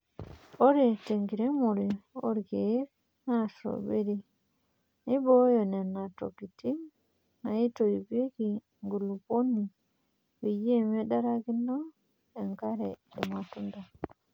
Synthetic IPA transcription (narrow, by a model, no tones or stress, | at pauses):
oɾiteŋɡiɾɛmoɾio̰ɾiɡe | naso̰beɾi | nibɔjɔnɛnato̰ɡiti | najitoɾibeɡi | ŋɡuluboni | wijiemɛdaɾaɡinɔ | ɛŋkaɾɛdɛmatunda